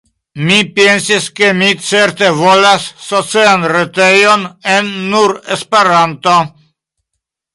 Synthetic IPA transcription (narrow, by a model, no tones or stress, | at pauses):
mipjensiskemit͡seɾt̪evolasːot͡seanret̪ejonenːuɾespeɾant̪o